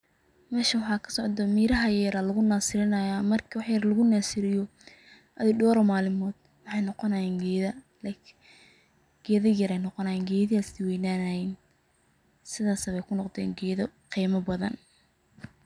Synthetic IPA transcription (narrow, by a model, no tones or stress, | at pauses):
mɛːʃɐwɑħɑːkʰɐ̥sɔʕd̪ɐmiːɾɐɦɐjjɐɾaːlɐɣʊnaːsɪɾɪnɐjamɐrkʰwɑħjɐɾlɐɣʊnaːsɪɾɪjɔ | ʔɐðɪɖɔːɾɔmaːlɪmɔːd̪̥̚ | wɑħɑjnɔqɔnɐjɛːŋɡɛːðɐ | ɡ̥ɛːðɐjɐɾɛjnɔqɔnɐjɛːnɡɛːðɪɐsɪwɛjnaːnɐjɛn | sɪðaːsɐβɛjkʰʊnɔqd̪ɛ̰ːŋɡɛːðɐqiːmɐbɐðɐ̰n